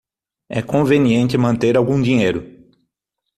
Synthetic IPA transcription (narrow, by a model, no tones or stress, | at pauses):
ɛkõveniẽnt̪ɪmɐ̃nt̪eɾawɡũd̪iɲejɾʊ